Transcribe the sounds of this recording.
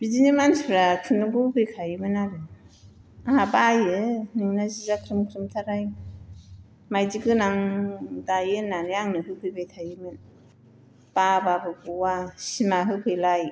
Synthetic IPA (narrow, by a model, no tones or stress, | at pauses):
bizinimansbʰɾakʰɯnɯɡubɯjkʰajɯmɯnaɾɯ | aabajɯnɯŋnazizakʰɾɯmkʰɾɯmtʰaɾaj | majzikɯnaŋdajɯnːanɯjaŋnɯɦɯpʰɯjbajtʰajɯmɯn | pababɯɡuwasimaɦɯkʰɯjlaj